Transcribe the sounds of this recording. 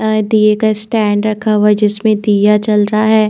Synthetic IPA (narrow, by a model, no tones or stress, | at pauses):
d̪iekasʈɛːɳɖɾɐkʰaɦwaɛd͡ʒɪsmẽd̪ijat͡ʃɐlɾaɦaɦɛː